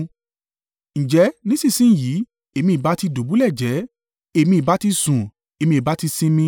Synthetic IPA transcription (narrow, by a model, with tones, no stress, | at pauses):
ñ̩˨d͡ʒɛ˨˦nĩ˦sĩ˦˨sĩ˦n̩˦˨ji˨˦ | e˦˨mĩ˧i˨ba˨˦ti˧do˨˦bu˨˦lɛ˦˨d͡ʒɛ˨˦ | e˨˧mĩ˧i˨ba˨˦ti˧sũ˨ | e˨mĩ˧i˨ba˨˦ti˧sĩ˦mĩ˧˦